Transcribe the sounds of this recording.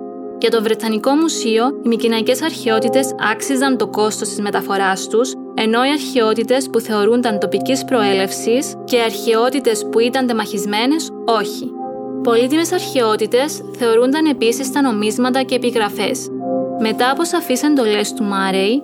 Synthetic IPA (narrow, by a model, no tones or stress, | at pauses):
cet̪o̞vɾe̞t̪ɐniko̞musio̞imicinɐice̞sɐɾçeo̞t̪it̪e̞sɐ̰ksizɐnt̪o̞ko̞st̪o̞st̪izme̞t̪ɐfo̞ɾɐst̪us | e̞no̞iɐɾçeo̞t̪it̪e̞spuθe̞o̞ɾund̪ɐnt̪o̞picispɾo̞e̞le̞fsis | ce̞iɐɾçeo̞t̪it̪e̞spuit̪ɐnd̪e̞mɐçizme̞ne̞s | o̞çi | po̞lit̪ime̞sɐɾçeo̞t̪it̪e̞s | θe̞o̞ɾund̪ɐne̞pisist̪ɐno̞mizmɐt̪ɐce̞ːpiɣɾɐfe̞sme̞t̪ɐːpo̞sɐfise̞nd̪o̞le̞st̪umɐɾei